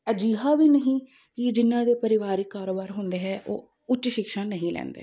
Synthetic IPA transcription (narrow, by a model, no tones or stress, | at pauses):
əd͡ʒiːɦaːʋiːnəɦĩː | kɪd͡ʒɪnːãːd̪eːpəɾɪʋaːɾiːkːaːɾoːbaːɾɦʊ̃nd̪eːɦɛːʔo̰ː | ʊt͡ʃːʃɪkʃãːnəɦĩːlɛ̰̃ːnd̪ḛː